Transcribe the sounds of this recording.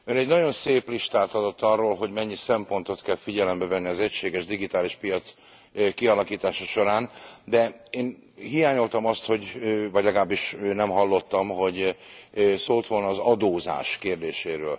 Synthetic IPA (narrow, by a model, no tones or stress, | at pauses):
øːnɛɟnɒɟo̞nseːpliʃt̪aːt̪ɒd̪o̞t̪ːɒrːoːlɦo̞ɟmɛɲːisɛmpo̞nt̪o̞t̪kɛlfiɟɛlɛmbɛvɛnːiɒzɛcʃeːɡɛʒd̪iɡit̪aːliʃpijɒt̪s | kiɒlɒkiːt̪aːʃɒʃo̞ɾaːnd̪ɛeːn | hijaːɲo̞lt̪ɒmɒst̪ho̞ɟvɒɟlɛɡlaːbːiʃnɛmɦɒlːo̞t̪ːɒmɦo̞ɟ | soːlt̪ʋo̞lnɒːzɒd̪oːza̰ːʃkeːrd̪eːʃeːɾøːl